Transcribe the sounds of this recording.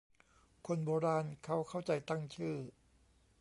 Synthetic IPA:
kʰo˧nboː˧ɾaː˧nkʰa˦˥˩wkʰa˥˩wt͡ɕa˧jt̪a˥˩ŋt͡ɕʰɯː˥˩

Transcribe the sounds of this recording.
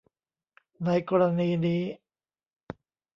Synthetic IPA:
na˧jkɔː˧ɾa˧niː˧niː˦˥

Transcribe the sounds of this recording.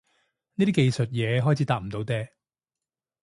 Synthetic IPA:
niː˥t̪iː˥ke˨˧jsɵ˨t̚jɛː˨˧ɦɔː˦˥jt͡sʰiː˨˥t̪aː˨˧t̚m̩˨˩t̪o˨˥wt̪ɛː˧

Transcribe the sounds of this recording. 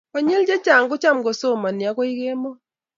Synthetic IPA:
kɔ˨ɲe˦ld͡ʒe˦t͡ʃa˨ŋɡʊ˦t͡ʃa˦˨mɡo˨so˦˨ma˨nja˦kɔ˦ɪ˦ɣe˦mɔ˦

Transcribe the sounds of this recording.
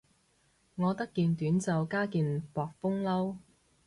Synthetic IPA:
ŋɔː˨˧t̪ɐ˥kːiː˧nt̪yː˨˥nt͡sɐ˨wkaː˥kiː˧npɔː˨k̚fʊ˥ŋlɐ˥w

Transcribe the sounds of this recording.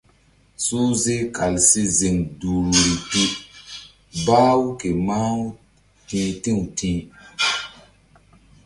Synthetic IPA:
su˦ze˦ka˨lsi˦zi˨ŋduː˨ɾu˨ɾi˨ti˦ | ba˦wu˦ke˨ma˦ | tĩː˦tĩ˦˨wtĩ˦

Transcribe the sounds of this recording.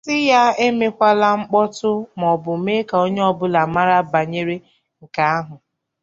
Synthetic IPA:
sɪ˦ja˦e˦me˦kʷa˦la˦ŋ͡m̩˦k͡pɔ˦tʊ˦m˨ɔ˨bʊ˨me˦ka˨o˦ɲe˦ɔ˦bʊ˦la˨ma˦ɾa˦ba˨ɲe˦ɾe˦ | ŋ̩˨ka˦a˦ɦʊ˨

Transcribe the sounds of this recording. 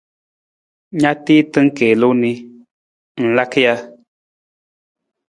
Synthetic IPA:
ɲa˦ti˦tɨ˦ŋ̩˦keː˨lo˦ni˦ | n̩˨la˦kja˦

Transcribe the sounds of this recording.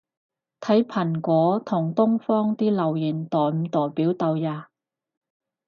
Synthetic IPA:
t̪ʰɐ˨˥jpʰɐ˨˩nkʷɔː˨˧˥t̪ʰʊ˨˩ŋt̪ʊ˥ŋfɔː˥ŋt̪iː˥lɐ˨˩wjiː˨˩nt̪ɔː˨˩jm̩˨˧t̪ɔː˨˩jpiː˨˥wt̪ɐ˧wjaː˧

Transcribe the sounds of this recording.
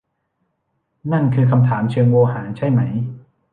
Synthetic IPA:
na˥˩nkʰɯː˧kʰa˧mt̪ʰaː˩˦mt͡ɕʰɯː˧ŋwoː˧haː˩˦t͡ɕʰa˥˩jma˦˥j

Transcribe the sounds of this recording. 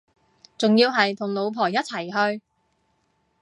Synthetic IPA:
t͡sʊ˨ŋjiː˧wɦɐ˨jt̪ʰʊ˨˩ŋlo˨˧wpʰɔː˨˩jɐ˥t̚t͡sʰɐ˨˩jɦɵ˧ɥ

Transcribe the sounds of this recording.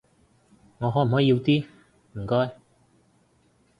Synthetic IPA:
ŋɔː˨˧ɦɔː˨˦˥m̩˨˩ɦɔː˨˥˧wt̪iː˥ | m̩˨˩kɔː˥j

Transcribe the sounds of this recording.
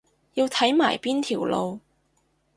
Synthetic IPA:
jiː˧wt̪ʰɐ˨˥jmaː˨˩jpiː˥nt̪ʰiː˨˩wlo˧w

